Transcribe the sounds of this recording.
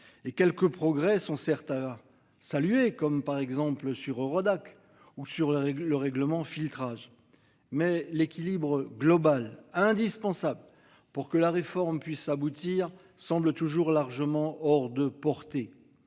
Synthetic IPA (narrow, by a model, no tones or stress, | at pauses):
ekʲɛlkəpχɔɡʁɛsɔ̃sɛʁt̪a | salɥekɔmpaʁɛɡzɑ̃pləsyʁøʁɔd̪ak | usyʁlɛləʁɛɡləmɑ̃filt̪χaʒ | mɛlekʲilibʁəɡlɔbalɛ̃d̪ispɑ̃sabl | puʁkəlaʁefɔʁmpɥisabut̪iʁ | sɑ̃blət̪uʒuʁlaʁʒəmɑ̃ʔɔʁd̪əpɔʁt̪e